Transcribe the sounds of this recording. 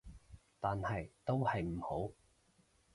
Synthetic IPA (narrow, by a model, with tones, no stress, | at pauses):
t̪aː˨nhɐ˨jt̪o˥whɐ˨jm̩˨˩ho˨˥w